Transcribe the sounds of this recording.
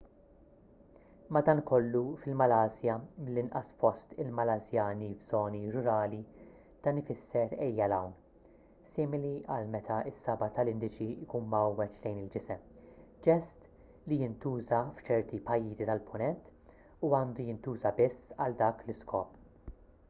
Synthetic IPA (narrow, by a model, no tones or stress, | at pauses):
mɐd̪ɐːnkɔlːufɪlmɐlɐːzjɐmɪlːɪnʔɐ̰sfɔst̪ɪlmɐlɐzjɐːnivz̥ɔːniɾʊɾɐːli | d̪̥ɐnɪfɪsːɛɾɛjːɐlɐwn | sɪːmɪliʔɐlmɛt̪ʰɐɪsːɐbɐt̪ɐlɪnd̪ɪt͡ʃiɪkuːnmɐwːɛt͡ʃlɛjnɪld͡ʒɪsɛmd͡ʒɛst̪ | lijɪnt̪uːzɐft͡ʃɛɾt̪ipɐjːiːzit̪ɐlpʰʊnɛnt̪ | uɐːnd̪ujɪnt̪uːzɐbɪsːɐ̰ld̪ɐːklɪskʰɔːp